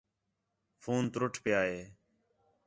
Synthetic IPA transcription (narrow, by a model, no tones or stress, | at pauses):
fʰuːnt̪ɾʊʈʰpjaːɦeː